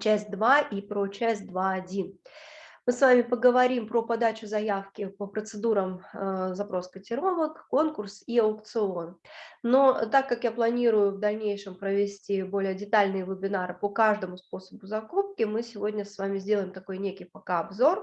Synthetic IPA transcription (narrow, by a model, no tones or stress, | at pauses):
t͡ɕæsʲtʲd̪vaʔipɾot͡ɕæsʲt̚ʲd̪vaɐdʲinmɨsvamʲɪpəɡəvɐɾʲimpɾopɐd̪at͡ɕʊzɐjafkʲɪpəpɾət̪sɨd̪uɾəmzɐpɾo̞skətʲɪɾo̞vəkːo̞nkʊrsiɐʊkt̪sɨo̞nnot̪akːakjaplˠɐnʲiɾʊjʊvd̪ɐlʲnʲejʂɨmpɾəvʲɪsʲtʲibo̞lʲɪjədʲɪt̪alʲnɨjəvɨbʲɪnaɾɨpokaʐd̪əmʊspo̞səbʊzɐkup̚kʲɪmɨsʲɪvo̞dʲnʲəsvamʲɪzʲdʲe̞lˠəjɪmt̪ɐko̞jnʲekʲɪjpɐkaɐbzo̞r